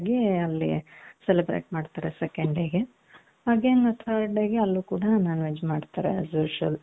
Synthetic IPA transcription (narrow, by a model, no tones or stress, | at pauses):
ɡiɐlːḭselibɾḛːʈmaːɖt̪aːɾesekeɳɖeɡe | haːɡenɐt̪ʰɐɾɖeːɡeɐlːuːkuːɽɐnanʋed͡ʒmaːɖt̪aːɾḛsoːʂɐl